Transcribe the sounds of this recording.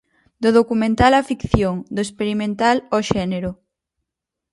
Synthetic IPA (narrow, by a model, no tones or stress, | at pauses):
d̪oðokumẽnt̪alafikθjoŋd̪oespeɾimẽnt̪aloʃɛneɾʊ